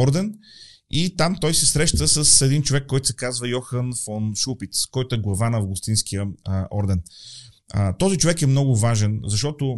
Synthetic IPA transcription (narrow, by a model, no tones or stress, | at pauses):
ɔɾd̪ɛn | it̪amt̪ɔjsɛsɾɛʃt̪əsəsɛd̪int͡ʃovɛkːɔjt̪ʊsɛkazvəjɔxənfɔnʃupit̪skɔjt̪ʊɛɡlˠɐvanɐvɡʊst̪inskijəɔɾd̪ɛn | t̪ɔzit͡ʃovɛkɛmnɔɡʊvaʒɛnzɐʃt̪ɔt̪ʊ